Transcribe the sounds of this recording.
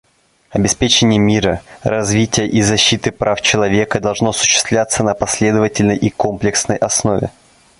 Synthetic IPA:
ɐbʲɪspʲet͡ɕɪnʲɪjəmʲiɾərɐzvʲitʲɪjəʔizɐɕːit̪ɨpɾaft͡ɕɪlˠɐvʲe̞kəd̪ɐlˠʐnoɐsʊ̥ɕːɪ̥st̪vlʲat̪sənəpɐsʲlʲe̞d̪əvətʲɪlʲnəjʔiko̞mplʲɪksnəjʔɐsno̞vʲɪ̰

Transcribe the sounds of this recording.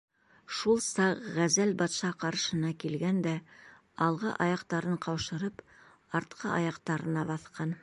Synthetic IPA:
ʃulˠsɑqʁæzælbɑt̪ʃɑqɑɾʃɤ̆nɑkilɡænd̪æ | ɑlˠʁɤ̰ʔɑjɑqt̪ɑɾɤɴqɑwʃɤ̆ɾɤp | ɑɾt̪qʰɤʔɑ̰jɑqt̪ɑɾɤ̆nɑβɑθqʰɑn

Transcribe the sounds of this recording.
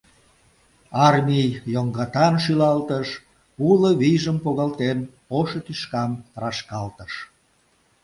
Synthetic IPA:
ɑrmʲijjoŋɡɑt̪ɑnʃ̬ylɑlt̪əʃ | uloβijʒəmpoɣɑlt̪enpoʃət̪yʃkɑmt̪ɾɑʃkɑlt̪əʃ

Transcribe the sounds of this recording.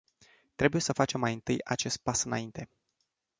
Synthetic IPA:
t̪ɾe̞buje̞səfat͡ʃe̞mːajɨnt̪ɨja̰t͡ʃe̞st̪̚pasɨna̰int̪e̞

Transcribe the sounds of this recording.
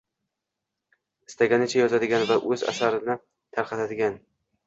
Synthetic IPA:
ɪst̪ʰaɡʲanɪt͡ʃʰajɒzad̪ɪɡʲanvaʔɵza̰saɾɪnɪ | t̪ʰaɾqʰɑt̪ʰad̪ɪɡʲan

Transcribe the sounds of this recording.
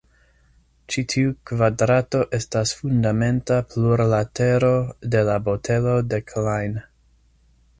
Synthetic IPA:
t͡ʃitʰiukvadɾato̞ʔe̞stasfundame̞ntapluɾlate̞ɾo̞de̞labo̞tʰe̞lo̞de̞kʰlajn

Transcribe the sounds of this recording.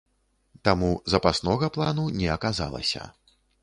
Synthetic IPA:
t̪amuzɐpasnɔɣɐplˠanunʲɛɐkaza̰lˠɐ̰sʲɐ̰

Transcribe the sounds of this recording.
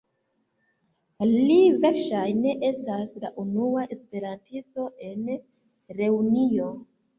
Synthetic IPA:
live̞ɾʃajne̞ʔe̞stasla̰ʔunuaʔe̞spe̞ɾantisto̞ʔe̞n | ɾe̞unio̞

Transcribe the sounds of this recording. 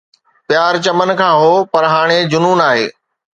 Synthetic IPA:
pjaːɾt͡ɕɐmən̆kʰãːɦoːpɐɾɦaːɽ̃ed͡ʑʊnuːnaːɦḛː

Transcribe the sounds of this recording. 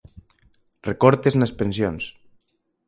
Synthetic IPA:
rekoɾt̪eznespensjons

